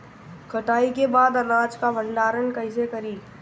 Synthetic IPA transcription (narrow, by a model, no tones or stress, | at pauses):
kʰɐʈaːikebaːd̪ɐnãːt͡ʃkabə̃ɳɖaːɾənkɐɪs̬ekɐɾiː